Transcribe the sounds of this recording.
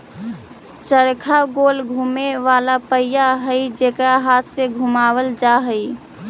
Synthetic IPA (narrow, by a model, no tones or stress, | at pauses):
t͡ʃəɾkʰaɡoːlɡʱuːmeʋalapəɪjaɦəid͡ʒekɾaɦaːt̪ʰseɡʱumaːwəld͡ʒaɦəi